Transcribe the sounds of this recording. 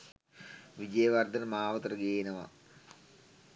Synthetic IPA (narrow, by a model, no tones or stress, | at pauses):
ʋid͡ʑɐjɐʋɐrd̪ʱɐnmaːʋɐt̪rɐɡeːnɐʋɐ̰